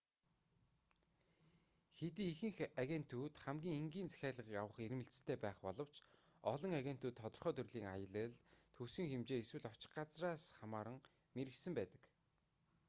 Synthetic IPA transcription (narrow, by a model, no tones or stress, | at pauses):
xet̪iːixɘ̆ŋxaɣʲen̥t̪ʰːuːt̪χæmɡʲiːŋeŋɡʲiːnt͡sæ̥xʲæːɮə̆ʁiːkawə̆χermɘ̆ɬt͡sɘ̆t̪ʰːeːpæːχpɔɮɞ̆w̥t͡ɕɔɮɞ̆ŋaɣʲen̥t̪uːt̪ʰːɔt̪ɞ̆rχœːt̪ʰɵrɮiːŋa̰jə̆ɮə̆ɮt̪ʰusɘ̆ŋxemt͡ɕeːeswɘ̆ɮɔt͡ɕɪ̥̆χɢat͡sraːsχamaːɾə̆ŋ | meɾɘ̆ksɘ̆mpæːt̪ə̥̆k